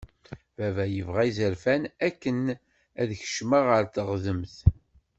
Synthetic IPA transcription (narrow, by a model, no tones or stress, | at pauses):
vævæjəvʁæizəɾfænækːən | æðçə̥ʃməʁəɾθəʁðəmθ